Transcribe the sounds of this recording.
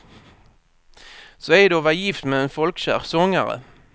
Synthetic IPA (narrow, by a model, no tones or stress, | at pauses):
sɔɛd̪oːvɑjɪft̪mɛɛnfɔlkɕæ̰ːʁsɔŋːaɾə̰